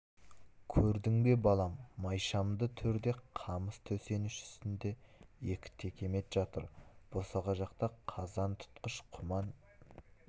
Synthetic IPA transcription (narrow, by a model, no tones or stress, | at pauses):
kʲʰɵɾd̪ɪŋbe̞bɑlˠɑmːɑjʃɑmd̪ət̪ʰʏɾd̪e̞qʰɑməst̪ʰɵse̞nɪʃʏ̥st̪ɪnd̪e̞je̞kʲɪ̥t̪ʰe̞kʲʰe̞me̞t̪ʒ̥ɑt̪əɾb̥osɑʁɑʒɑqt̪ɑqʰɑzɑnt̪ʰʊ̥t̪qəʃqʰʊmɑn